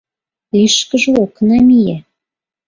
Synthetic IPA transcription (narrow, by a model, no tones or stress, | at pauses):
liʃkə̆ʒɤ̆oknæmijæ